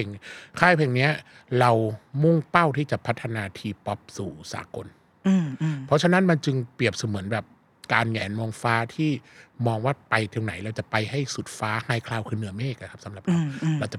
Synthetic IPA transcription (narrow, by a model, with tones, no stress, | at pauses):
e˨˩ŋkʰaː˥˩jpʰe˨˩ŋni˦˥ɐ | ɾa˧wmu˥˩ŋpa˥˩wt̪ʰiː˥˩t͡ɕa˨˩pʰa˦˥t̪ʰːa˧naː˧t̪ʰiː˧pɔ˦˥p̚suː˨˩sa̰ː˩˦ko˧nː˧ | pʰɔ˦˥t͡ɕʰa˧na˦˥nma˧nt͡ɕɯ˧ŋpɾi˨˩əp̚su˨˦mɯ˩˦ənbɛː˨˩p̚ | kaː˧njɛː˨˩˦nmoː˧ŋfaː˦˥t̪ʰiː˥˩mɔː˧ŋwaː˥˩pa˧jt̪ʰi˧ŋna˩˦jɾa˧wt͡ɕa˨˩pa˧jha˥˩jsu˨˩t̪̚faː˦˥haː˧˩jkʰlaː˧wkʰɯː˧nɯ˩˦meː˥˩k̚na˧˩kʰa˦˥sa˨˦mla˨˩p̚ɾa˧wɾa˧wt͡ɕa˨˩